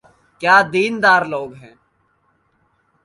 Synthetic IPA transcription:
kjaːd̪iːnd̪aːɾloːɡɦɛ̃ː

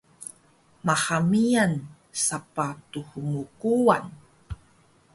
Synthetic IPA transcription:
mahamijan | sapatuhuŋukuwan

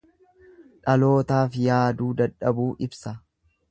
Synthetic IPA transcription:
ᶑɐlo̞ːt̪aːfjaːd̪uːd̪ɐᶑɐbuːʔɪbsɐ

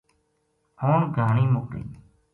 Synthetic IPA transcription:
oːɳɡʱaːɳiːmʊkɾḭː

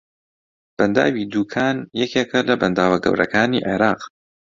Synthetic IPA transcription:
b̥ɐnd̪a̰ːwid̪uːkʰaːnjɛkʰeːkʰɐlɐbɐnd̪aːwɐɡɐ̰wɾʔɐ̰kaːniːʔḛɾɑːq

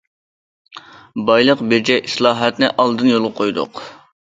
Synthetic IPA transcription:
bɑjlˠəqbeɾd͡ʒɛʔislˠɑːɦɛt̪nɪʔɑlˠd̪ɨnjolˠʁɑqʰojd̪ʊ̰q

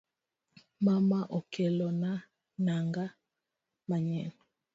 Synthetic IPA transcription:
mamaʔɔkɛlɔna | naŋɡa | maɲɛnɔ

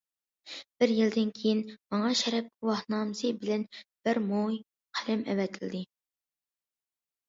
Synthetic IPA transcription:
b̥ɪɾjild̪ɪnkʲʰejinmɑŋɑʃɛɾɛp̚uwɑhnɑːmsɨbɪlɛnb̥ɪɾmoj | qʰælɪmɛ̰wɛt̪ʰɪld̪ɪ

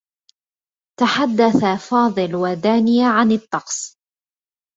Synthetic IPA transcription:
t̪aħad̪ːaθafɑːðˤɨlwad̪aːnɪjaʕanɑt̪ˤːɑqsˤ

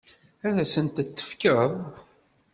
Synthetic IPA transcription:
æɾæsənt̪t͡s̪ːə̥fkəðˤ

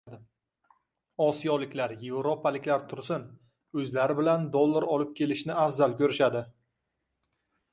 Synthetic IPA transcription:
d̪ɪ | ɒsijɒlɪkʲlaɾje̞vɾopʰalɪkʲlaɾt̪ʰʊɾsɪn | ɵzlaɾɪbɪland̪olˠːaɾɒlɪp̚kʲʰe̞lɪʃnɪafzalˠkʲɵɾɪʃad̪ɪ

